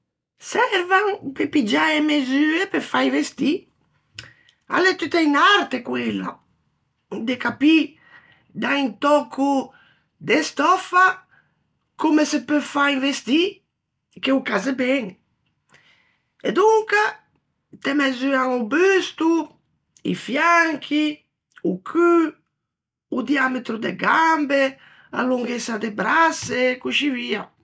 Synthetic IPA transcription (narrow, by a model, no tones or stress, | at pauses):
sɛɾvaŋpepid͡ʒaemezyepefaivest̪i | a̰lɛt̪yt̪ɛjnaɾt̪ekwela̰ | d̪ekapi | d̪aint̪ɔkʰu | d̪est̪ɔfa | komesepøfaivest̪i | keukazebɛŋ | ed̪uŋka | t̪emɛzyaŋubyst̪u | ḭfjaŋkʰi | ukʰy | ud̪iamet̪ɾud̪eɡambe | a̰luŋɡesad̪ebɾasekuʃivia